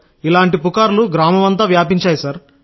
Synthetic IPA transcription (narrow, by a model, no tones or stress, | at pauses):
ilaːɳʈipukaːɾluɡɾaːmɐʋɐnt̪ɐʋjaːpiɲt͡ʃaːjusɐɾ